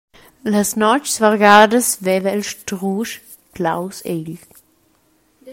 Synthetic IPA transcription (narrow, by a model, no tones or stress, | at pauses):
ləsnɔt͡ʃsvaʁɡaːdəsvɛvəilʃtʁuʃ | klawsel